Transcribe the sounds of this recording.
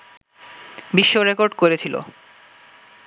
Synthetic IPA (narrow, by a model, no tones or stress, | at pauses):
biʃːoɾekoɾɖkoɾet͡ɕʰilo̰